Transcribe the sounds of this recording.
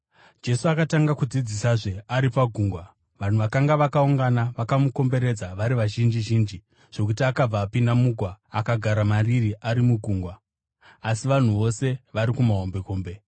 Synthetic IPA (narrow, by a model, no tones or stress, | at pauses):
d͡ʒe̞suakataŋɡakud͡zid͡zisaʐe̞aɾipaɡʱuːŋɡwa | ʋan̤uʋakaŋɡaʋakauŋɡanaʋakamuko̞mbe̞ɾe̞d͡zaʋaɾiʋaʒind͡ʒiʒiːnd͡ʒi | ʐ̥o̞k̬utiakab͡vaːpindamuɡʱwaakaɡʱaɾamaririʔaɾimuɡʱuŋɡwaː | siʋan̤uʋo̞se̞ʋaɾikumaɦombe̞ko̞ːmbe̞